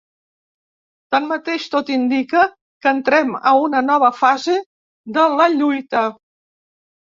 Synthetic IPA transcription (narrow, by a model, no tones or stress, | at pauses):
t̪anmət̪eʃt̪ot̪ind̪ikə | kənt̪ɾɛmə̰unənɔβ̞əfaze | ðələʎujt̪ə